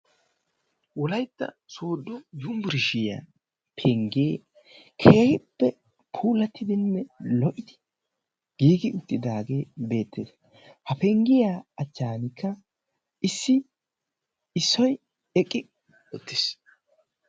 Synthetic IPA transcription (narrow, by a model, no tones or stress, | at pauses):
wɔlɐjt̪ːɐ̰ | soːd̪ːɔjʊmbʊɾɪʃɪja̰ | pʰɛŋɡeː | kʰeːhɪpːɛ | pʰuːlɐt̪ːɪd̪ɪnːɛlɔʔɪd̪ɪ | ɡ̥iːɡɪʊt̪ːɪd̪aːɡeːbe̞ːt̪ːɪːs | hɐpɛŋɡɪjaɐt͡ʃːaːnɪkːɐ | ʔɪsːɪ | ɪsːɔj | ɛkʼːɪ | ɔt̪ːɪs